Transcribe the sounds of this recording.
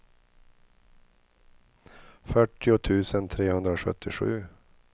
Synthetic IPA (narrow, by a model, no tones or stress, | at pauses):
fœʈːɪʊt̪ʰʉ̟ːsənt̪ʰɾeːhɵnd̪ɾaɧœ̰t̪ʰːɪɧʉ̟̰ː